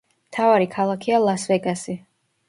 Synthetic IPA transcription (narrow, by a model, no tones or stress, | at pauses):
mt̪ʰavaɾikʰalˠakʰialˠasvɛɡasi